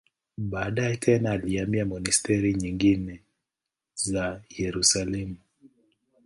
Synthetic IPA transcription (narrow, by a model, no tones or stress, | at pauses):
baːɗaɛtʰɛnaːliamiamɔnistɛɾiɲiŋɡinɛ | zajɛɾusalɛmu